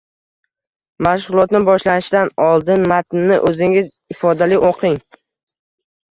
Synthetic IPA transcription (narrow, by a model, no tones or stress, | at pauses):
maʃʁʊlˠɒt̪nɪbɒʃlanɪʃd̪anɒlˠd̪ɪnmat̪nːɪʔɵzɪŋɪz | ɪfɒd̪alɪʔoqʰɪŋ